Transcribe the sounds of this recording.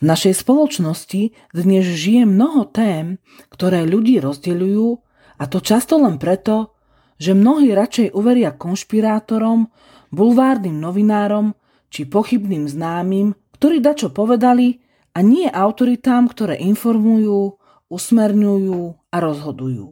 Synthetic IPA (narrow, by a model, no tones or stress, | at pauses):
vnaʃɛjspɔlɔt͡ʃnɔsci | d̪ɲɛzʒijɛmnɔɦɔt̪ɛːm | kt̪ɔɾɛːʎuɟiːɾɔzɟɛʎujuː | at̪ɔt͡ʃast̪ɔlɛnpɾɛt̪ɔ | ʒɛmnɔɦiːɾat͡ʃɛjʔuʋɛɾɪakɔnʃpiɾaːt̪ɔɾɔm | bulʋaːɾniːmnɔʋinaːɾɔm | t͡ʃipɔxibniːmznaːmiːmkt̪ɔɾiːd̪at͡ʃɔpɔʋɛd̪ali | aɲɪɛʔaʊt̪ɔɾit̪aːmkt̪ɔɾɛ̰ːʔinfɔɾmujuː | usmɛɾɲujuːaɾɔzɦɔd̪ujṵː